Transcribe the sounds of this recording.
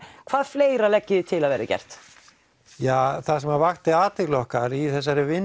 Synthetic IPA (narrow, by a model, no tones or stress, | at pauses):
kʰv̥aːðfleːjɾalɛcːɪðʏt̪ʰɪlaðvɛːɾacɛ̰r̥t̪ | jaːθaðsɛmavaxt̪ɪaːt̪ɪɣlɔhkaɾiθɛsːaɾɪvɪn